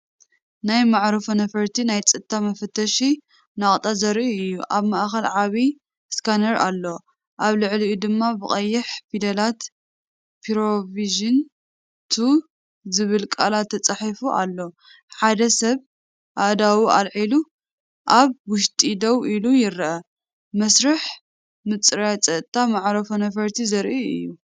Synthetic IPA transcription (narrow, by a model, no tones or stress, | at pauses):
najmaʕɾɐfonɐfɐɾt̪ʰinajt͡sʼɨt̪ʰːamɐfɐt̪ʰːɐʃi | naχʼt̪ʼazɐɾiʔɨjːuʔaβmaʔxɐlʕaβi | skʰanɐɾalːo̞ | ʔaβlɨʕliʔud̪ɨmːabɨχʼɐjːɪħfid̪ɐlat̪ | pʰiɾoviʒɨn | t̪ʰu | zɨβɨlkʼalat̪ʰːɐt͡sʼaħifuʔa̰lːo | ħad̪ɐsɐβ | ʔad̪awua̰lʕilu | ʔaβwʊʃt̪ʼid̪ɐwʔilujɪɾɐʔɐ | mɐsɾɐħ | mɨt͡sʼɾat͡sʼɐʔt̪ʰʼːamaʕɾɐfonɐfɐɾt̪ʰizɐɾʔiɨ̰jːu